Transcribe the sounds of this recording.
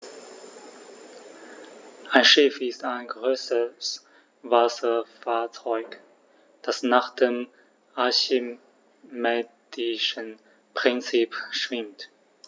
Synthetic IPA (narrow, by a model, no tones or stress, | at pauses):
ʔaɪnʃɪfɪstaɪnɡʁøːsəs | vasɐfaːɐt͡sɔʏk | d̥asnaːχd̥eːm | ʔaɐçi | mɛːdɪʃən | pʁ̥ɪnt͡siːpʃv̥ɪmt